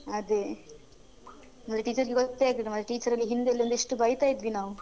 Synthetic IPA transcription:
ɐd̪e | mɐt̪ɾeʈiːt͡ʃɐɾɡeɡot̪ːeaːɡɾiʈɐmɐd̪ɾeʈiːt͡ʃɐɾɐlːiɦind̪elːijond̪iʂʈubɐjt̪aːjd̪ʋinaːʋu

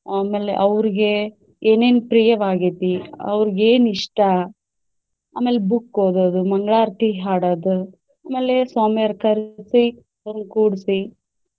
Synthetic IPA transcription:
aːmeːlḛʔɐʋɾiɡe̞ | eːneːnpɾijɐʋaːɡeːt̪iɐ̰ʋɾiɡeːniʂʈɐ | a̰ːmeːlebukːoːd̪oːd̪umɐŋɡɭaːɾt̪iɦaːɽoːd̪u | aːmeːlesoːmjɐɾkɐɾsi | ɐʋɐɾnkuːɽsi

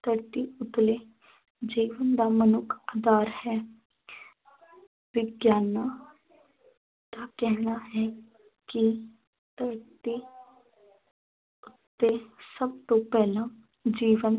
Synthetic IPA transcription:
t̪əɾt̪iʊt̪leː | d͡ʒiːʋənd̪aːmənʊkʰaːd̪aːɾhɛː | ʋɪɡjaːnaː | t̪akɛɦnaɦɛ | ki | t̪əɾt̪i | ʊt̪ːesəbt̪õːpɛːlãː | d͡ʒiːʋən

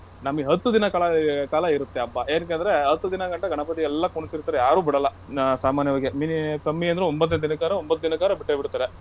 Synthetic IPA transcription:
nɐmːɡeɦɐt̪ːud̪inɐkaːlɐkaːlɐiɾut̪ːeɐbːaʔeːnk̬end̪ɐɾeɦɐt̪ːud̪inɐkɐɳʈːɐɡʱɐɳɐpɐt̪iɛlːɐkuɳisiɾt̪ːaːɾejaːɾuːbiɽɐlːɐ | saːmaːnjɐʋaːɡeminikɐmːiɐnd̪ɾeombɐt̪ːd̪inɐd̪inɐkaːɾɐombɐt̪ːud̪inɐkaːɾɐbiʈːebiɽut̪ːaːɾe

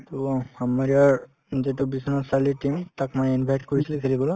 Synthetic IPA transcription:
tɔhamaɹiaɹ | zetubisinɔsaliʈimtakmanɛinbʱajʈkoɹisilɛkʰeliɡɔlɔ

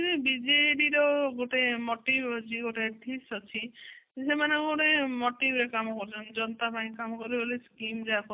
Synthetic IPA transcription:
t̪inibid͡ʒeɖiɾɔɡoʈemoʈibd͡ʒiɡoʈeʈʰisɔt͡ʃʰisemaneɡoʈemoʈibʱɾekamɔkɔɾut͡ʃʰɔnd͡ʒɔnɔt̪apaĩkamɔkɔɾiboliskimɾakɔ

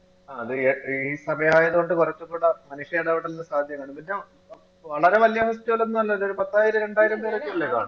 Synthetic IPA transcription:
aːɐðɨiːsɐmɐjɐaːjɐðuɣo̞ɳɖɨkurɐt͡ɕːɐkːuːɽɐmɐnuʂjejɽeʋiɽenːɨsaːd̪ʱjɐmʋeːɳumpinːe | ʋɐɭɐɾe̞ʋɐlijɐɦustjɐoɭenːumɐlːɐɐðo̞ɾupɐt̪ːaːjiɾɐɾe̞ɳɖaːjiɾɐmpeːrekːiɐlːeka̰ːɳɨ

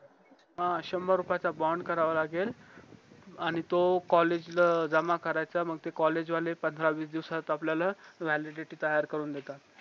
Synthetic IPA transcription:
ɦãɕəmbaɾupat͡sabɔɳɖkəɾaʋalaɡel | aɽ̃it̪okɔled͡ʑləd͡zəmakəɾajt͡saməɡ̚t̪ekɔled͡ʑʋalepənd̪ʱɾaʋiːsd̪iʋsat̪apljalaʋæliɖeʈiːt̪əjaɾkəɾuːnd̪et̪at̪

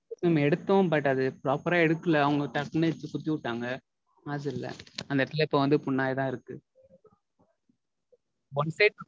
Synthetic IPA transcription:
nɐmːɐɛɽɯt̪ːõpaːʈːɐðɯpɾaːpːɐɾaːɛɽɯkːɯlɐːʊŋɡɐʈɐʈnɐt͡ʃːɯkʊt̪ːiʊʈːaːŋɡɐ | aðɯɪlːɐ̰ɐnd̪ɐʈɪlɐɪpːɐʋɐnd̪ɯpʊɳːaːjt̪ãːɪɾɯkːɯ | bɐnsɐɪʈ

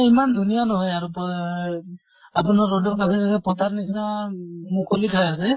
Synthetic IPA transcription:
imandʱunijanɔɦɔjaɹupɔ | apunaːɔdɔɹkalɛkakɛpɔtatnisinamukʰolitʰajas̬ɛ

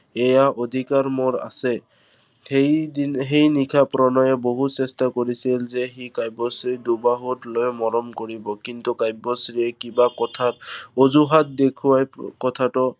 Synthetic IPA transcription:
ɛjaʔod̪ʱikaɹmɔɹa̰sɛ | ejiɦejnikʰapɹɔnɔjɛboɦutsɛstakoɹisilzɛxikajbɔsɹidubaɦutlojmɔɹɔmkoɹibɔkint̪ukajbɔsɹiɛkibakɔtʰat̚ozuɦat̚dekʰuwajkɔtʰatɔ

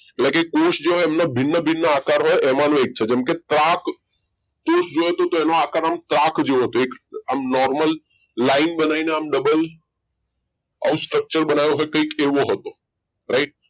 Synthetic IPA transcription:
eʈlɛ̃kekoʃd͡ʒeɦɔeemnabʱɪnːəbʱɪnːəaːkaɾɦɔjʔɛmanũek̚t͡ʃʰed͡ʒɛmket̪ɾakː | osd͡ʒojɦət̪ot̪oenoakaɾamt̪ɾakd͡ʒeõɦət̪oeka̰mnɔɾməlː | aɪnbənaineamɖəbəl | ə̰ũsʈɾək̚t͡ʃəɾbənajoɦɔjkəikeʋoɦət̪o | ɾaɪʈ̚

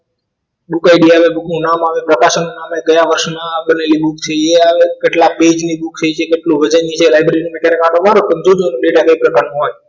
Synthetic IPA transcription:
bukajɖiaʋebuknũnamaʋepɾəkaʃnũnameɡəjaʋəɾʃmaɓəneliɓuk̚t͡ʃʰeeaʋekeʈlabed͡ʒniɓukt͡ʃʰet͡ʃʰekeʈlũʋəd͡ʒanit͡ʃʰelajbɾeɾinumɛkeɾekãʈomaɾopənd͡ʒ̪ud͡ʒonũɖeʈaɡəipɾəpanũɦoj

